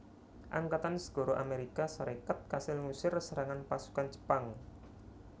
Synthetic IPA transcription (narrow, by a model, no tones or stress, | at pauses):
ʔaŋkat̪ansə̥ɡ̥o̤ɾoʔameɾikasaɾekat̪̚kasɪlŋusɪrsəɾaŋanpasu̥kand͡ʒə̥paŋ